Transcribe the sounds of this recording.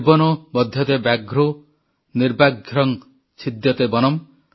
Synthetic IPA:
bɔnɔbɔd̪ʱjɔt̪ebaɡʱɾo | niɾbaɡʱɾɔŋ | t͡ʃʰid̪jɔt̪ebɔnɔm

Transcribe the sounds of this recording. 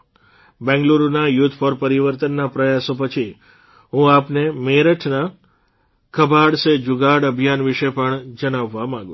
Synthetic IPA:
bɛ̃ŋɡluɾonajut̪ʰpəɾpəɾiʋəɾt̪ənːapɾəjasopət͡ʃʰi | ɦũapnemeɾəʈʰna | kʰəbʱaɽsed͡ʒuɡaɽəbʱjanʋiʃepəɳd͡ʒəɽ̃aʋːamãŋɡũ

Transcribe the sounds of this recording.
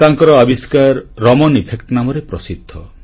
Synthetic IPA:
t̪aŋkɔɾɔabiskaɾːɔmɔnipʰekʈnamɔɾepɾɔsid̪ʱːɔ

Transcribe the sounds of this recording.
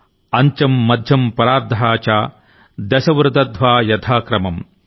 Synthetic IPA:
ɐɲt͡ʃɐmːɐd̪ʱjɐmpɐɾaːɾd̪ʱɐɦaːt͡ʃaː | d̪ɐsɐʋɾɨd̪ɐd̪ʱʋaːjɐt̪ʰaːkɾɐmɐm

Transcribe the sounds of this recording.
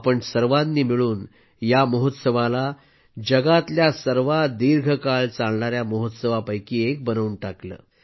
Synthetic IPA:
pəɳsəɾʋanːiːmiɭuːn | jaməɦot̪səʋala | d͡ʑəɡat̪ljasəɾʋad̪iɾɡʱəkaɭt͡saɭɳaɾjaməɦot̪səʋapəjkiːek̚bənəʋunʈaklə̰ː

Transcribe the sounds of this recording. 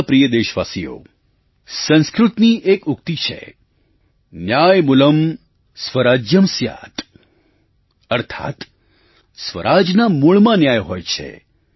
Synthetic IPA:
pɾijəd̪eʃʋasijo̰ | sə̃nskɾut̪niʔekʊk̚t̪it͡ʃʰḛ | njajmʊləm | sʋəɾad͡ʒjəmsja̰t̪ | əɾt̪ʰa̰t̪ | sʋə̰ɾʔad͡ʒnamuɭmãnjajɦojt͡ʃʰḛ

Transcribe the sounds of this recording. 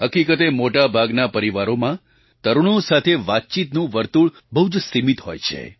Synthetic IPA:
ɦəkikət̪emoʈabʱaɡnapəɾiʋaɾomã | t̪əɾuɽ̃õsat̪ʰeʋat̪̚t͡ʃit̪nũʋəɾt̪uɭ | bəɦud͡ʒsimit̪ɦojt͡ʃʰḛ

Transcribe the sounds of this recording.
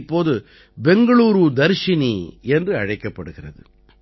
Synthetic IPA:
pːoːðɯ | bɛŋɡɐɭuːɾud̪ɐɾʂɪniɛndrɯɐɻɐɪkːɐpːɐɽɯɣɪrɐðɯ̰

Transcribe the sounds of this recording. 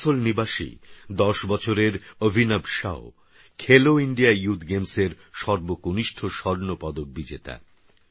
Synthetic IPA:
solnibaʃḭd̪ɔʃbɔt͡ɕʰoɾeɾobʱinabʃa̰o | kʰeloiɳɖiajut̪ʰɡemseɾ | ʃɔɾbokoniʃʈʰoʃɔɾnopɔd̪ok̚bid͡ʑet̪a̰

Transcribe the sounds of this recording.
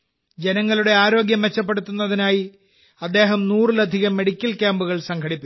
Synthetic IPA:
d͡ʑe̞nɐŋːɐluɽe̞aːɾo̞ːɡjɐmʋet͡ɕːɐp̬ːe̞ɽut̪ːunːɐðinaːji | ɐd̪ːe̞ːɦɐmnuːrlɐd̪ʱiɣɐmːe̞ɽikʲːɐlkʲaːmbuɣɐɭsɐŋɡʰʱɐɽipːi

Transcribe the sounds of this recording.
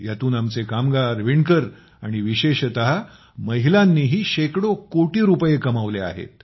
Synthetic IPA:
jat̪uːnamt͡sekamɡaɾʋiɳkəɾ | aɽ̃iʋiɕeɕt̪əɦa | məɦilanːiːɦiːɕekɽokoʈiːɾupjekəmaʋlea̰ɦḛt̪̚

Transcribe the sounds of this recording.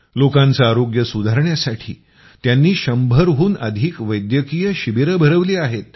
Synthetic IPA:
lokãnt͡saːɾoɡjəsud̪ʱaɾɳjasaʈʰḭː | t̪janːiːɕəmbʱəɾɦuːnəd̪ʱiːkʋəjd̪jəkijəɕibeɾəbʱəɾəʋliːaɦet̪̚

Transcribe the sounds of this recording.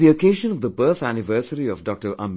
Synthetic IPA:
iokeːʒə̃nɔvd̪əbɜːt̪ʰænɪʋəːsəɾiɔvɖɔk̚ʈəɾʔə̰̃m

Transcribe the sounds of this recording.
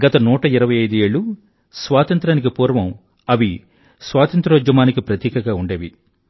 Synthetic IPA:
ɡɐt̪ɐnuːʈɐiɾɐʋɐjɐjd̪ue̞ːɭu | sʋaːt̪ɐnt̪ɾaːnik̬ipuːɾɐʋɐm | ɐʋi | sʋaːt̪ɐnt̪ɾɐʋɐd͡ʒɐmaːnikipɾɐt̪iːkɐɡaːuɳɖeːʋi

